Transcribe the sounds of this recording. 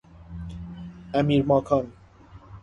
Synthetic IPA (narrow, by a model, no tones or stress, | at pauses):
æmiɾmɔkʰɔn